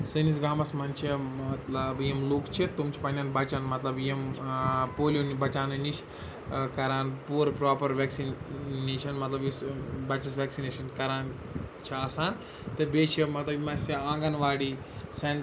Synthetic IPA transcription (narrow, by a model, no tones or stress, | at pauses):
sɨnis̬ɡaːmɐsmɐnt͡ʃʰimɐt̪lɐbjimluːkt͡ʃʰit̪umt͡ʃʰi̥pɐnaːnbɐt͡ʃɐnmɐt̪lɐbjimpoːlʲonibɐt͡ʃaːnniʃ | kɐɾaːnpuːɾpɾaːpɐɾʋeːksinneːʃʰɐnmɐt̪lɐbjisbɐt͡ʃɐsʋeːksineːʃɐnkɐɾaːn | t͡ʃʰiɐsaːn | t̪ebeːt͡ʃʰemɐt̪lɐbmɐsiãːŋɡɐnʋaːɽi | seɳ